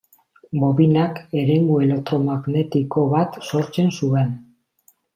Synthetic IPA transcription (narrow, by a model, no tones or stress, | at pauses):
bo̞βinake̞ɾe̞ŋɡue̞lek̚t̪ɾomaɣne̞t̪ikoβat̪so̞ɾt͡se̞nsuen